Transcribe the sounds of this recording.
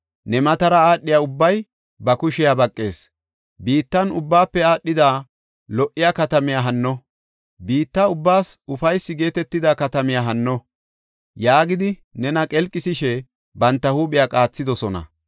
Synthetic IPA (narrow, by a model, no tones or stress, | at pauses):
nɛmɐt̪ɐɾɐaːɗːɪjaːʊbːɐj | bɐkʊʃɪjaːbɐkʼːe̞ːs | biːt̪ːɐnʊbːaːpːɛaːɗːɪd̪aː | lɔʔːɪjaːkɐt̪ɐmɪjaːɦɐnːɔ | biːt̪ːaʊbːaːsʊfɐjsːɪɡe̞ːt̪ɛt̪ːɪd̪aːkɐt̪ɐmɪjaɦɐnːɔ | jaːɡɪd̪ɪnɛnɐkʼɛlkʼːɪsɪʃɛ | bɐnt̪ːɐhuːɓɪjaːkʼaːt͡sːɪd̪ɔsɔnɐ̰